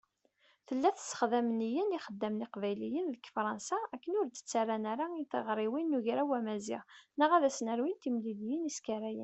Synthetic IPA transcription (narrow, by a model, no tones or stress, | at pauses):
θəlːæθə̥sə̥χðæmnijəniχəd̪ːæmnɪqvæjlijənðəkfɾˤɑnsaækːənʊɾt̪ːə̥t͡sːarːanaɾaiθəʁɾˤiwinːuʝɾawæmæzḭʁnəʁæðæsnəɾwint̪imliljəniskæɾæjə̰n